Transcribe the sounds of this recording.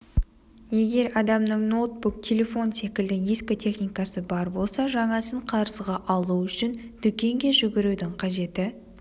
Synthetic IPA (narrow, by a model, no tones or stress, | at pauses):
je̞ɡʲe̞ɾɑd̪ɑmnəɴno̞t̪̚buk̚t̪ʲʰe̞lʲe̞fo̞nse̞kʲɪld̪ɪiskʲot̪ʲʰe̞χnijkɑsəbɑɾbo̞lˠsɑʒɑɴɑsəɴqʰɑɾəzʁɑʔɑlˠuʏʃɪnd̪̥ʏkʲe̞ŋɡʲe̞ʒʏɡʲɪɾud̪ɪŋqʰɑʒe̞t̪ɪ